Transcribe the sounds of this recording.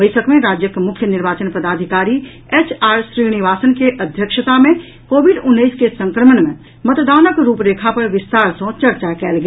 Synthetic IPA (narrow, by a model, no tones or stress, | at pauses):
əɪsəkmẽɾaːd͡ʒjəkmʊkʰːjənɪɾʋaːt͡ʃənpəd̪aːd̪ʱɪkaːɾi | eːt͡ʃʰaːɾʃɾiːnɪʋaːsənkeʔɐd̪ʱjəkʃət̪amẽ | koːʋɪɖʊnːiːskesə̃ŋkɾəməɳmẽ | mət̪d̪aːnəkɾuːpɾeːkʰapɐɾʋɪst̪aːɾsõt͡ʃɐɾt͡ʃakɛːlɡeː